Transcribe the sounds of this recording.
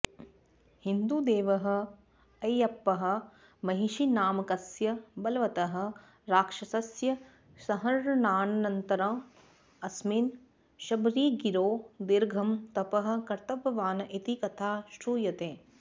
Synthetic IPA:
hind̪uːd̪eːʋɐɦɐ̆ | ɐjɐpːɐɦɐ̆ | mɐɦiʃinaːmɐkɐsjɐbɐlɐʋɐt̪ɐɦɐ̆ | ɾaːkʂɐsɐsjɐ | sɐɦɐɾnaːnɐnɐnt̪ɐɾɐ̃ː | ɐsmin | ʃɐbɾiːɡiɾoːd̪iɾɡʱɐmt̪ɐpɐɦɐ̆kɐɾt̪ɐbʱɐʋaːnɐʔit̪ikɐt̪ʰaːʃɾuːjɐt̪eː

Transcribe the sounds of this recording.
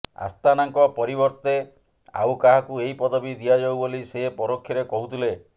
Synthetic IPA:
a̰st̪anaŋkɔpɔɾibɔɾt̪e | a̰wkaɦakueipɔd̪ɔbid̪ijad͡ʒawboliseepɔɾokʰːjɔɾekɔɦut̪ʰile

